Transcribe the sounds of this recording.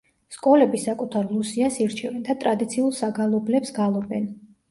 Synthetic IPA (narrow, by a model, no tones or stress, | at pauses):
skʼɔlɛbisakʼut̪ʰaɾlˠusiasiɾt͡ʃʰɛvɛnd̪at̪ʼɾad̪it̪sʰiulˠsaɡalˠɔblɛpsɡalˠɔɾd̪ɛn